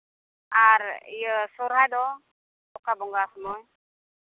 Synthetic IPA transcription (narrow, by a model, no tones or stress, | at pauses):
aɾjəsuɾɦajd̪ɔ | tɔkabɔŋɡasmɔj